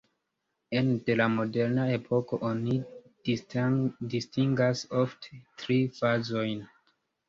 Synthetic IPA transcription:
e̞nde̞lamo̞de̞ɾnae̞pʰo̞ko̞ʔoni | distiŋɡaso̞ftʰe̥tɾifazo̞jn

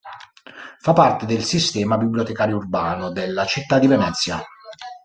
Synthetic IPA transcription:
fapːart̪ed̪elsist̪ɛːmabibliot̪ɛkaːɾjourbaːnʊd̪elːat͡ʃit̪ːad̪ivɛnɛt̪sːja

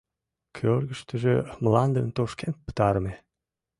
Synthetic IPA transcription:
kʲʰølɡəʃt̪ə̆ʒemlɑnd̪ənt̪oʃkent̪̚pə̥t̪ɑɾəme

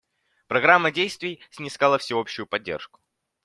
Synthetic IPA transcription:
pɾɐɡɾamːədʲejst̪vʲɪjsʲnʲɪskalˠəfsʲɪo̞pɕʊjʊpɐdʲːḛrʂkʊ̥

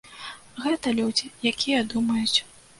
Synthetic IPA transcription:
ɣɛt̪ɐlʲud͡zʲijakʲijɐd̪umɐjut͡sʲ

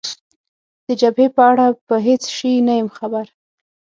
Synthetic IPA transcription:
d̪̥əd͡ʒabhepəaɽapəɦet͡sʃinajəmxabaɾ

